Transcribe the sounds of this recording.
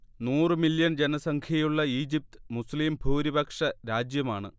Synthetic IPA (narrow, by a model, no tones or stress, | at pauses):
nuːrɨmiljɐnd͡ʑenɐsɐŋkʰjɐjuɭːɐiːd͡ʑip̚t̪ɨ̥musliːmbʱuːɾibɐkʂɐɾaːd͡ʑjɐmaːɳɨ̰